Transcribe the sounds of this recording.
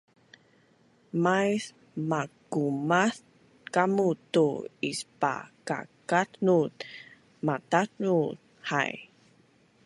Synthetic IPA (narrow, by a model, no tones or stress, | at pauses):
majs | makumaθ | kamutuispa̰ka̰katnut | matatnu | ha̰j